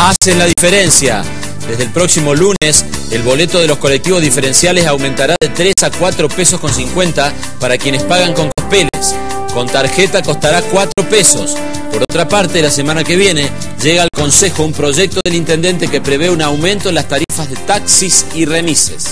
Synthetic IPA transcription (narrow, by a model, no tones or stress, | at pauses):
aselaðifeɾensja̰ | d̪e̞zðelpɾo̞ksimo̞lunes | elβo̞le̞t̪oð̞e̞lo̞sko̞le̞k̚t̪iβo̞zðife̞ɾe̞nsjalesawmẽ̞nt̪aɾaðet̪ɾe̞sakwat̪ɾo̞pe̞so̞sko̞nsiŋkwe̞nt̪a | paɾakje̞nespaɣaŋko̞ŋkohpe̞lḛs | ko̞nt̪aɾxet̪ako̞st̪aɾakwat̪ɾo̞pe̞so̞s | po̞ɾot̪ɾapaɾt̪elase̞mãnake̞β̞je̞ne | ʒeɣaːlko̞nse̞xo̞umpɾo̞ʒek̚t̪o̞ðelint̪e̞nd̪e̞nt̪e̞ke̞pɾe̞βeunawmẽ̞nt̪o̞last̪aɾifazðe̞t̪aksisire̞mises